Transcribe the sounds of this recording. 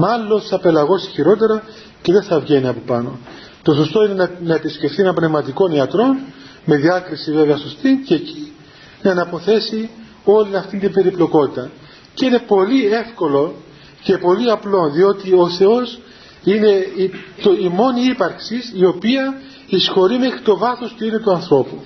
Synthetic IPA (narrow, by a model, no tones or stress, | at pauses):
mɐlːo̞nsɐpe̞lɐɣo̞siçiɾo̞t̪̬e̞ɾɐ | ce̞ðe̞nθɐvʝe̞niɐpopɐno̞̰ | t̪o̞so̞st̪o̞ine̞nnɐepisce̞fθienɐmbne̞vmɐt̪iko̞niɐt̪ɾo̞n | me̞ðiɐkɾisive̞veɐso̞st̪iceci | nɐenɐpo̞θe̞si | o̞linɐft̪int̪imbe̞ɾiplo̞ko̞t̪it̪ɐ | ceine̞po̞lie̞fko̞lo̞ | ce̞po̞liɐplo̞nðio̞t̪io̞θe̞o̞s | ine̞t̪oimo̞niipɐɾksisio̞piɐ | isxo̞ɾime̞xɾit̪o̞vɐθospuine̞t̪uɐnθɾo̞pu